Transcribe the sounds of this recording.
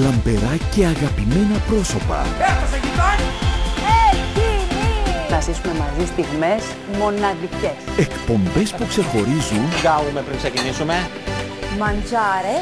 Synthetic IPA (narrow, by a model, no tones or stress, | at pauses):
lɐmbe̞ɾɐce̞ɐɣɐpime̞nɐpɾo̞so̞pɐ̰et̪ɐsecit̪oniecininɐsisume̞mɐzist̪iɣme̞s | mo̞nɐðice̞se̞kpo̞mbe̞spukse̞xo̞ɾizunɡɐvume̞pɾiŋksecinisume̞ | mɐnzɐɾe